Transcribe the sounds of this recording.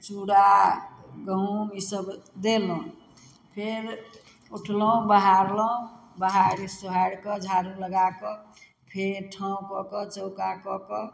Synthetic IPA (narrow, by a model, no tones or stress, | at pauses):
t͡ʃuɽa | ɡəɦũisəbd̪elɔũ | pʰeɾ | uʈʰlɔ̃baɦaɾlɔũbaɦaɾisuɦaɽkɔd͡ʒʱaɾuləɡakɔ | pʰeɾʈʰãkɔkɔt͡ʃəʊkakɔkɔ